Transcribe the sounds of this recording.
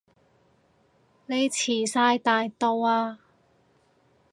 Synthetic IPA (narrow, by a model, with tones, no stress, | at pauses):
ne˨˧jt͡sʰiː˨˩saː˧jt̪aː˧jt̪o˧waː˧